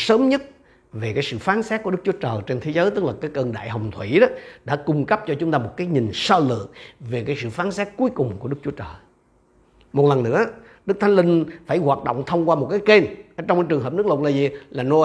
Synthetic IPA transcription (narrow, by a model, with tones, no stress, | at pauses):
səː˨˦mɲə˦˥t̚ | ve˨˩kaː˨˦jsɨ̰˧˨faː˨˦nsɛː˦˥t̚ku˧˩ə˦˥k̚t͡ɕu˨˦ət͡ɕəː˨˩jt͡ɕe˧nt̪ʰe˨˦zəː˨˦jt̪ɨ˦˥k̚laː˨˩kaː˨˦jkəː˧nɗa̰ː˧˨jɦə˨˩wŋ͡mt̪ʰwi˧˩ɗɔ˨˦ɗa̰ː˧˥kʊ˧ŋ͡mkp̚t͡ɕɔ˧t͡ɕʊ˨˦ŋ͡mt̪aː˧mo˨˩t̚kaː˨˦jɲi˨˩ŋ̟sɔ˧lɨ̰˧˨əŋve˨˩kaː˨˦jsɨ̰˧˨faː˨˦nsɛ˦˥t̚ku˨˦əjkʊ˨˩ŋ͡mku˧˩əɗɨ˦˥k̚t͡ɕu˨˦ət͡ɕəː˨˩j | mo˨˩t̚lə˨˩nːɨ̰˧˥ə | ɗɨ˦˥k̚t̪ʰa˨˦ŋlï˧ŋ̟faː˧˩jɣwaː˨˩t̚ɗo̰˧˨wŋ͡mt̪ʰə˧wŋ͡mkwaː˧mo˨˩t̚kaː˨˦jke˧nʔə˧˩t͡ɕɔ˧ŋ͡mkaː˨˧˦t͡ɕɨ˨˩əŋəː˨˩p̚nɨ˦˥k̚lə˨˩t̚laː˨˩zi˨˩laː˨˩no˧